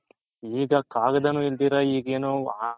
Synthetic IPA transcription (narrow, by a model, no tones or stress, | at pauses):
iːɡɐkaːɡɐd̪ɐnuːild̪iːɾɐiːɡeːnuː